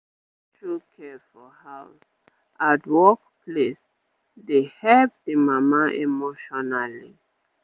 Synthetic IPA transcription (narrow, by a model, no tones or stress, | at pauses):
tʰɹukʰɛfɔhaʊs | ʔatwɔkpʰles | dehɛlp̚dimamaʔemoʃɔnali